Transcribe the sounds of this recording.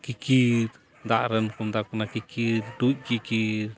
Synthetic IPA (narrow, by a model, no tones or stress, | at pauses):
kikiɾ | d̪aʔɾənkumd̪akunakikiɾduc̚kikiɾ